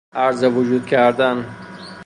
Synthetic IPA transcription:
aɾzevud͡ʒud̪̚kʰæɾd̪an

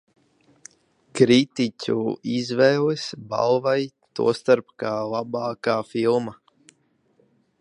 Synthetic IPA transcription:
kɾit̪icʲṵizvɛjlesba̰lˠvaj | t̪ṵɔst̪aɾpkaːlˠabɑːkaːfilˠma

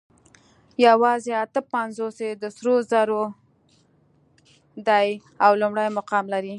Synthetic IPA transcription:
jawɑzeat̪əpanzosed̪əsɾozaɾo | d̪aj | awlumɽajmʊqɑmlaɾi

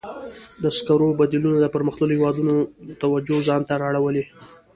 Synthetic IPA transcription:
d̪əskaɾobad̪ilunad̪əpəɾməxt̪ləlohɪwɑd̪unot̪awad͡ʒozɑnt̪aɾɑɽawəle

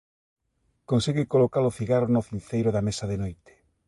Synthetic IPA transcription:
konsiɣɪkolokalʊθiɣaɾonʊθinθejɾʊðamesɐðenojt̪e̥

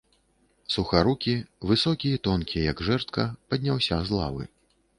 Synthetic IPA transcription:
suxaɾukʲivɨsɔkʲijɛt̪ɔnkʲijɛjɐɡʐɛrt̪̚kɐpɐd̪ʲnʲawsʲazlˠa̰vɨ̰

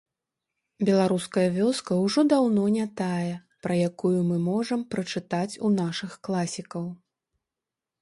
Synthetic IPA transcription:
bʲɛlˠaɾuskɐjɐvʲɔskɐwʐɔd̪awnɔnʲat̪ajɛ | pɾɐjakujumɨmɔʐɐmpɾɐt͡ʂɨt̪at͡sʲunaʂɨxklˠasʲikɐw

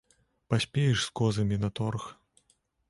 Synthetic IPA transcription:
pasʲpʲejɛʂskɔzɐmʲinɐt̪ɔrx

